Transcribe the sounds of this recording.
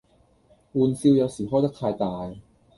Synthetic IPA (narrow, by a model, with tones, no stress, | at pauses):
ʔu˧nsi˧˥˨wjaː˧wsi˨˩˦xʰɔː˥˩t͡ɕa˥˩kʰːaː˧jt̪aː˧j